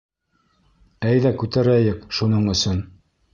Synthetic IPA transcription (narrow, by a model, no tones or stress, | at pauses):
æjðækʉt̪æɾæjɘkʃunɤɴɵ̆sɵn